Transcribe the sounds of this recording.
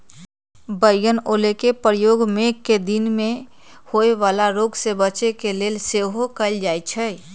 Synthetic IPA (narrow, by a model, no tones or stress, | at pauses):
bəɪjənoːlekepɾəjoːɡmẽed̪ɪnmẽ | hoeʋaːlaɾoːɡsebət͡ʃekeleːlseɦokəld͡ʒaːet͡ʃʰɛ